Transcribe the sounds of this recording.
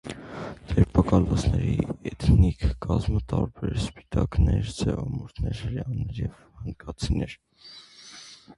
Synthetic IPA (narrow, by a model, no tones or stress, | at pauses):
d̪ɛɾpʰɑkɑlɔsʰnɛɾiɛt̪ʰnikʰkɑzmət̪ɑɾbɛɾspi̥t̪ɑknɛɾd͡zɛvɑmɔɾt̪ʰnɛɾljɑnːɛɾjɛv | hənkʰɑt͡sʰinɛɾ